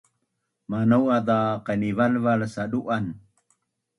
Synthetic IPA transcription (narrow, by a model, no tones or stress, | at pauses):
manawad̪aqənivalvalsaɗuʔan